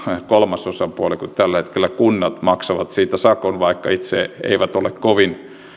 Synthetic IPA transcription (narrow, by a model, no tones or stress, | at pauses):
kolmɑsosɑpuɑlikut̪t̪ælːæhet̪kelːˑækunːɑt̪mɑksɑʋɑt̪siːt̪æsɑkonʋɑikːɑit̪sḛḛiʋæt̪olekkoʋin